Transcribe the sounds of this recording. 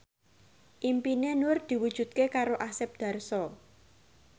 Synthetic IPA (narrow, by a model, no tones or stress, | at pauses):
ʔimpinenʊrd̪̥i̤wud̥ʒ̥ṳt̪̚kekaɾoʔasɪp̚d̪̥ä̤rsɔ